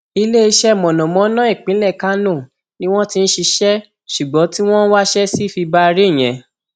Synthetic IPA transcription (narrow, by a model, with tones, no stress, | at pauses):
i˧le˦i˧ʃɛ˦˨mɔ̃˨nɔ̃˨mɔ̃˨˦nã˦i˦˨k͡pĩ˨˦lɛ˦˨ka˦nũ˦˨ | nĩ˦w̃ɔ̃˦ti˦˧n̩˦ʃi˧ʃɛ˦ | ʃu˨ɡ͡bɔ̃˨˦ti˦w̃ɔ̃˦n˦wa˦ʃɛ˦si˦˨fi˧ba˦˧ɾi˦˨j̃ɛ̰̃˨